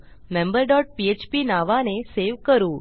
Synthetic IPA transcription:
mẽmbəɾɖɔʈ̚piet͡ʃpinaʋaneseʋkəɾũ

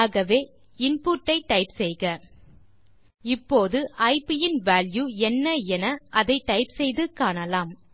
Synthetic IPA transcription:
ɣɐʋeː | ɪnpuːʈːɐɪʈɐɪpsɛjɣɐ | ɪpːoːðɯʔɐɪpɪjɪnʋaːljuːɛnːɐɛnɐʔɐðɐɪʈːɐɪpsɛjðɯkaːɳɐlaːm

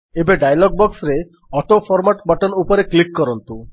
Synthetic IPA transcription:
ebaɖajlɔɡ̚bɔksɾe | ɔʈofʰɔɾmaʈbɔʈonupoɾeklikːɔɾont̪u

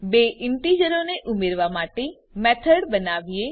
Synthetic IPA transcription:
beːʔɪɳʈiːd͡ʒəɾõneʔʊmeɾʋamaːʈe | mɛːt̪ʰəɽbənaːʋie

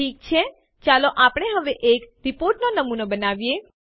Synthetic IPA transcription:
iːk̚t͡ʃʰe | t͡ʃaloʔapɽ̃eɦəʋeʔekɾipoɾʈnonəmunobənaʋje

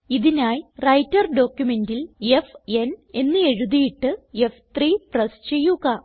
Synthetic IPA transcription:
iðinaːjrɐjtːɐrɖo̞ːkjume̞ndile̞fe̞ne̞nːɨe̞ɻuðijiʈːɨe̞ft̪riːprɐst͡ɕe̞jːuɣɐ

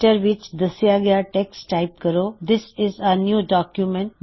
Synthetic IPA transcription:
ʈəɾʋɪt͡ʃd̪ɐsijaɡɐjaʈɛksʈaɪp̚kəɾoːd̪ɪsɪzənjuːɖɔːkjumɛ̃ɳʈ

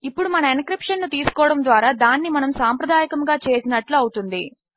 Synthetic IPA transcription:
ipːuɽumɐnɐinkɾipʂɐnːut̪iːsu̥kɔːɽɐmd̪ʋaːɾaːd̪aːnːimɐnɐmsaːmpɾɐd̪aːjɐkɐmɡaːt͡ʃe̞ːsinɐʈluɐwut̪und̪i

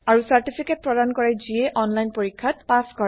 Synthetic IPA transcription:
aɹusaɹtipʰiket̚pɹɔdankɔɹɛziɛʔɔnlajnpoɹikʰːat̚paskɔɹɛ

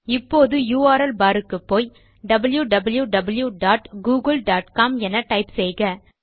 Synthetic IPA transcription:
ɪpːoːðɯjuːaːɾɐlbaːɾɯkːɯpːoːj | ɖɐbɐljuɖɐbɐljuɖɐbɐljuɖaːʈɡuːɡɐlɖaːʈkaːmɛnɐʈɐɪpsɛjɣɐ

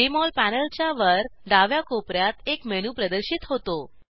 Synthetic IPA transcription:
imɔlpænəlt͡ɕjaʋəɾɖaʋjakopɾjat̪ekmeñupɾəd̪əɾɕit̪ɦot̪o

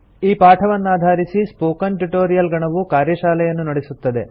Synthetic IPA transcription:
iːpaːʈʰɐʋɐnːaːd̪ʱaːɾisispoːkɐnʈuʈoːɾijɐlɡɐɳɐʋukaːɾjɐʃaːlɛjɐnːunɐɽesut̪ːɐd̪e̞

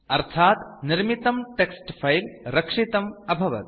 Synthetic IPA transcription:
ɐɾt̪ʰaːt̪niɾmit̪ɐmʈeksʈpʰɐjlɾɐkʂit̪ɐmɐbʱɐʋɐ̰t̪

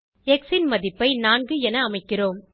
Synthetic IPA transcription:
ɛksɪnmɐðɪpːɐɪnaːŋɡɯɛnɐːmɐɪkːɪroːm

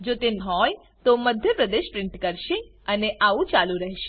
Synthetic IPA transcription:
d͡ʒot̪enɦɔj | t̪oməd̪ʱjəpɾəd̪eʃpɾɪ̃ɳʈkəɾʃe | əneʔaʋũt͡ʃalũɾəɦeʃe̥

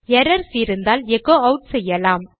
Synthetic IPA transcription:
jɛɾɐɾsɪɾɯnd̪aːlɛkoːɐʊʈsɛjːɐlaːm

